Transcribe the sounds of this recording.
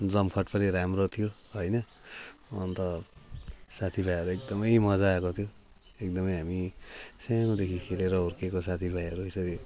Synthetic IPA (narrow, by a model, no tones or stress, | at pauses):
d͡zʌmkʰʌʈpʌniɾamrot̪ʰijo | ɦʌjnʌ | ʌnt̪ʌ | sat̪ʰibʱajʌɾuek̚d̪ʌmʌjmʌd͡zaːkot̪ʰijo | ek̚d̪ʌmʌjɦamisanod̪ekʰikʰeleɾʌurkekosat̪ʰibʱajʌɾuesʌɾi